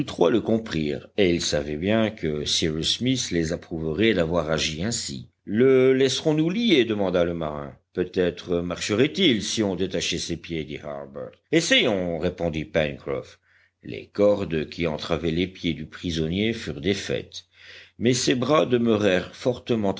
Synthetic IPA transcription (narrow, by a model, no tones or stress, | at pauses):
t̪ut̪χwaləkɔ̃pχiːʁeilsavɛbjɛ̃kʰəsiʁusmislezapχuvəʁɛd̪avwaʁaʒiɛ̃sḭ | ləlɛsʁɔ̃nulijed̪əmɑ̃d̪aləmaʁɛ̰̃pøt̪ɛt̪χəmaʁʃəʁɛt̪ilsiɔ̃d̪et̪aʃɛsepjed̪iha̰ʁbɛ̰ʁt̪esɛjɔ̃ʁepɔ̃d̪ipɛnkχɔ̰f | lḛkɔʁd̪kʲʰiɑ̃t̪χavɛlepjed̪ypχizɔnjefyʁd̪efɛ̰t̪ | mɛsebʁad̪əmøʁɛʁfɔʁt̪əmɑ̃t̪